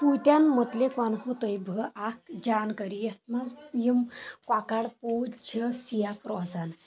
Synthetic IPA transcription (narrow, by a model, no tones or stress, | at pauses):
pujt̪ʲjanmət̪lekanhot̪əjbʱəʔak̚d͡ʑankəɾijəst̪mazpjimkwakaɽpowd͡ʑʰəsijapɾɔd͡zan